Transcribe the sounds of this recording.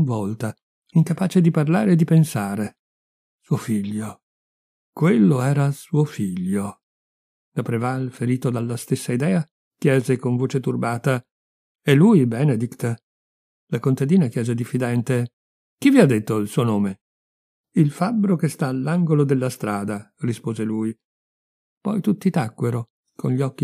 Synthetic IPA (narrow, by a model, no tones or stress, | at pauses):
unvɔlt̪a | iŋkapaːt͡ʃed̪iparlaːɾeːd̪ːipensaːɾe | suofiʎːo | kwelːoɛːɾasuofiʎːo | lapɾevalfeɾiːt̪od̪alːast̪esːaid̪ɛːa | k̟jɛːzekoɱvoːt͡ʃet̪urbaːt̪a | elːujbɛːned̪ikt̪a | lakont̪ad̪iːnakjɛːzed̪ifːid̪ɛnt̪e | k̟iviad̪ːet̪ːoilsuːonoːme | ilfabːɾokest̪aːlːaŋɡolod̪elːast̪ɾaːd̪arispoːzeluːj | pɔjt̪ut̪ːit̪akːweɾo | kʰonʎiɔkːi